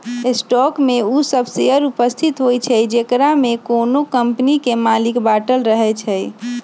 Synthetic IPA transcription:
esʈɔkmeusəbʱseəɾupəst̪ʰit̪ɦojt͡ʃʰɛjd͡ʒekɾamekonokəmpnikemalikbaʈəlɾəɦɛt͡ʃʰɛj

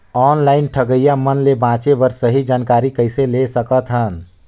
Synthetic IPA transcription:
ɔnlaɪnʈʰəɡəjamənlebãt͡ʃebəɾsəɦid͡ʒankaɾikəjselesəkət̪ɦən

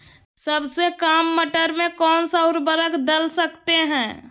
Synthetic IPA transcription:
səbsekaːmːəʈəɾmẽkɔːnsʊɾbəɾəkʰd̪əlsəkt̪eɦɛ̃ː

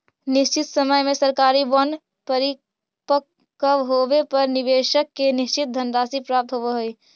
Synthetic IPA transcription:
nɪst͡ʃɪt̪səməjmẽsəɾkaːɾibɔn | pəɾi | pə | kəʋɦoʋepɐɾnɪʋeːʃəkːenɪst͡ʃɪt̪̚d̪ʱənɾaːsipɾaːp̚t̪ɦoʋeɦoi

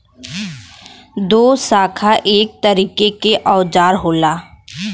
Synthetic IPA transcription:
d̪oːsaːkʰaʔeːk̚t̪əɾiːkekeʔɔːd͡ʒaːɾɦoːlaː

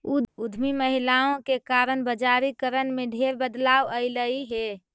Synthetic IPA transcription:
ud̪ʱmiməɦilaõkekaɾənbəd͡ʒaɾikəɾənmẽɖʱeɾbəd̪lawəɪləiɦe

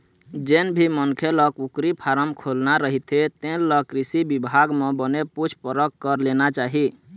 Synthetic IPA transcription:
d͡ʒenbʱimənkʰeləkukɾipʰaɾəmkʰolnaɾəɦit̪ʰet̪ẽləkɾisibibʱaɡmẽbəneput͡ʃʰpəɾəkkəɾlenat͡ʃaɦi

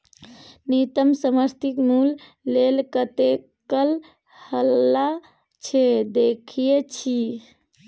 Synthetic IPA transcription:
nit̪əmsəməɾt̪ʰikmulː | elkət̪e | kəl | həlːa | t͡ʃʰed̪ekʰijet͡ʃʰi

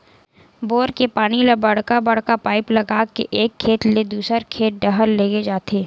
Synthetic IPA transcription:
boːɾkepaːɽ̃ilɐbɐɽkabɐɽkapaːɪplɐɡaːkḛʔeːkʰːeːt̪led̪uːsəɾkʰeːt̪̚ɖəɦəlːeːɡed͡ʒaːt̪ʰeː

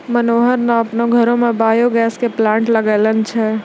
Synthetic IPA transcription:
mənoːɦəɾnaɐpnõɡʱɐɾõmẽbaːjoɡɛːskeplãːɳʈləɡeːlənt͡ʃʰɛ

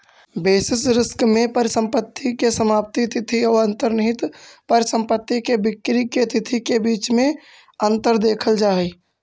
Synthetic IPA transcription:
beːsɪsɾɪskmẽpəɾsə̃mpət̪ʰːikesəmaːp̚t̪it̪ʰɪt̪ʰiɔːɾə̃nt̪əɾnɪɦɪt̪pəɾsə̃mpət̪ːikebɪkɾiket̪ʰɪt̪ʰikebiːt͡ʃmẽ | ə̃nt̪əɾd̪eːkʰəld͡ʒaːiː

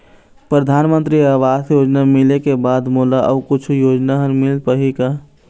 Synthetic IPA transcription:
pɾəd̪ʱaːnmə̃nt̪ɾiaːʋaːsjoːd͡ʒnamɪlekebaːd̪moːlaʔəkʊt͡ʃʰujoːd͡ʒnaɦənmɪlpəɦika

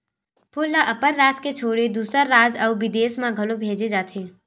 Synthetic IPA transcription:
pʰʊlːəʔɐpəɾːaːd͡ʒket͡ʃʰoːɽed̪uːsɾəɾːaːd͡ʒɐːʋɪd̪eːsmãɡʱɐlobʱeːd͡ʒed͡ʒaːt̪ʰeː

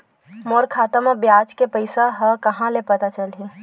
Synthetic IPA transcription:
moːɾkʰaːt̪əmãbjaːd͡ʒkepəɪsaɦəkɐɦãlepɐt̪at͡ʃɐlɦe

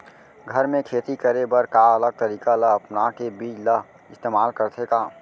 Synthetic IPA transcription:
ɡʱəɾmẽkʰeːt̪ikəɾebəɾkaələɡ̚t̪əɾiːkaləəpnakebiːt͡ʃləɦ | ɪst̪eːmaːlkəɾt̪ʰekaː

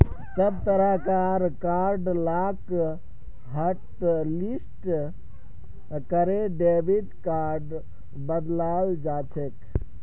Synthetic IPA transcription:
səb̚t̪əɾakaɾkaɾɖlak | ɦəʈlisʈ | kəɾeɖebʱiɖkaɾɖ | bəd̪lald͡ʒat͡ʃʰek

